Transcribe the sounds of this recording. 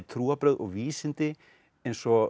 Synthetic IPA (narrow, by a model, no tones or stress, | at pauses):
t̪ʰɾuːapɾœðʔɔʋiːsɪnt̪ɪ | ɛnsɔ